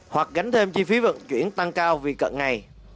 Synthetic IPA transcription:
hwa˨˩k̚ɣa˨˦ŋ̟t̪ʰe˧mt͡ɕi˧fi˨˦və̰˧˨nt͡ɕwi˧˩ənt̪a˧ŋkaː˧wvi˨˩kə̰˧˨nŋa˨˩j

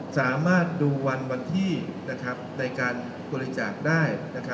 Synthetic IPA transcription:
saː˩˦maː˥˩t̪̚duː˧wa˧nwa˧nt̪ʰiː˥˩na˦˥kʰɾa˦˥p̚na˧jkaː˧n | ku˧li˧t͡ɕaː˨˩k̚daː˥˩jna˦˥kʰa˦˥

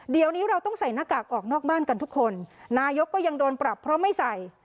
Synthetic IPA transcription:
di˨˩əwniː˦˥ɾa˧wt̪ɔ˥˩ŋsa˨˩jna˦˥kaː˨˩k̚ʔɔː˨˩k̚nɔː˥˩k̚baː˥˩nka˧nt̪ʰu˦˥kʰːo˧nnaː˧jo˦˥kːɔː˥˩ja˧ŋdoː˧npɾa˨˩pʰːɾɔ˦˥ma˥˩jsa˨˩j

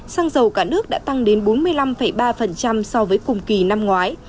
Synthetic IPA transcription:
saː˧ŋzə˨˩wkaː˧˩nɨ˦˥ək̚ɗa̰ː˧˥t̪a˧ŋɗe˨˦nɓo˨˦nmɨ˧əjla˧mfə˧˩jɓaː˧fə˨˩nt͡ɕa˧msɔ˧vəː˨˦jkʊ˨˩ŋ͡mki˨˩na˧mŋwaː˨˦j

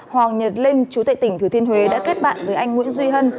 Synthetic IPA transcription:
hwaː˨˩ŋɲə˨˩t̚lï˧ŋ̟t͡ɕu˨˦t̪a̰ː˧˨jt̪ï˧˩ŋ̟t̪ʰɨ˨˩t̪ʰi˧ənɦwe˨˦ɗa̰ː˧˥ke˦˥t̚ɓa̰ː˧˨nvəː˨˦jʔa˧jŋ̟ŋwḭ˧˥ənzwi˧ɦə˧n

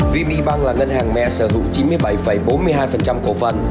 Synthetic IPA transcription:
vi˧mḭ˧˥ɓa˧ŋlaː˨˩ŋə˧nhaː˨˩ŋmɛ̰˧˨səː˧˩zṵ˧˥t͡ɕi˨˦nmɨ˧əjɓa˧˩jfə˨˧˩jɓo˨˦nmɨ˧əjɦaː˧jfə˨˩nt͡ɕa˧mko˧˩fə˨˩n

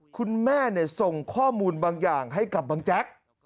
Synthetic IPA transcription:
kʰu˧nmɛː˥˩ni˥˩so˨˩ŋkʰɔː˥˩muː˧nbaː˧ŋjaː˨˩ŋɦa˥˩jka˨˩p̚baː˧ŋt͡ɕɛ˦˥k̚

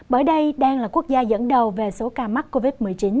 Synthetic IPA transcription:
ɓəː˧˩jɗə˧jɗaː˧ŋlaː˨˩ku˦˥ək̚zaː˧zə̰˧˥nɗə˨˩wve˨˩so˨˦kaː˧ma˦˥t̚ko˧vi˦˥t̚mɨ˨˩əjt͡ɕi˨˦n

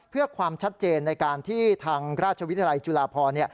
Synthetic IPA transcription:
pʰɯ˥˩ɐkʰwaː˧mt͡ɕʰa˦˥t̪̚t͡ɕeː˧nːa˧jkaː˧nt̪ʰiː˥˩t̪ʰaː˧ŋɾaː˥˩t̪̚t͡ɕʰa˧wt̪ʰjla˧jt͡ɕu˧laː˧pʰɔː˧ni˥˩ɐ

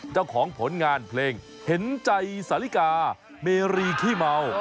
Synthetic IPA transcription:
t͡ɕaː˥˩wkʰɔː˩˦ŋpʰo˩˦nŋaː˧npʰleː˧ŋ | he˩˦nt͡ɕa˧jsaː˨˦li˦˥˩kaː˧ | meː˧ɾiː˧kʰiː˥˩ma˧w

